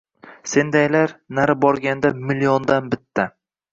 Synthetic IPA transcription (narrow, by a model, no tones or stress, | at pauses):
se̞nd̪ajlaɾnaɾɪbɒɾɡʲand̪amɪlijɒnd̪anbɪt̪ʰːa